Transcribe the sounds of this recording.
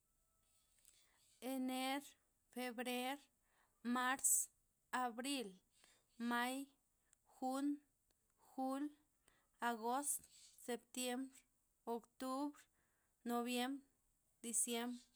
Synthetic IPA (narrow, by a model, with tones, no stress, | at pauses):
e˧ne˦ɾ | fe˧bɾe˦ɾ | ma˦ɾs | a˨bɾi˦l | ma˦j | xu˦n | xu˦l | a˨ɡo˦st̪se˨pt̪je˦mbɾ | o˨kt̪u˦bɾ | no˧βje˦mbɾ | d̪i˨sje˦mbɾ